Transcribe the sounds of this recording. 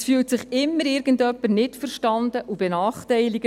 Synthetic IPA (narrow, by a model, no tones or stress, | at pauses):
sfyːltsɪχɪmːəɾɪɾɡəndœpːəɾnɪtfəɾʃtɑndəʔub̥ɛnɑːχtɛɪliɡə